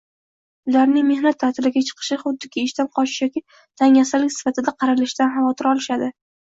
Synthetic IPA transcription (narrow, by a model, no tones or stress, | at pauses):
ʊlaɾnɪŋme̞hnat̪ʰːat̪ʰɪlɪɡʲat͡ʃʰɨ̥qʰɨ̥ʃɪχʊd̪ːɪkʲɪːʃt̪anqʰɒt͡ʃɪ̥ʃjɒkʲɪ | t̪ʰaŋasalɪkʲsɪ̥fat̪ɪd̪aqʰɑɾalɪʃd̪anɦamɒt̪ʰɪɾɒlɪʃad̪ɪ